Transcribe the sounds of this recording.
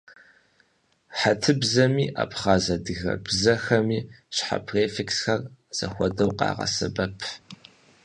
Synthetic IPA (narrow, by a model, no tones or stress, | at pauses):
ħatʰɨbzɐmiːʔa̰pχaːzɐdɨɣɐ̰bzɐxɐmiːɕħa̰pʰreːfeksxɐrz̥ɐ̰xʷɔdɐwqɑ̰ːʁɐ̰sɐbɐpʰ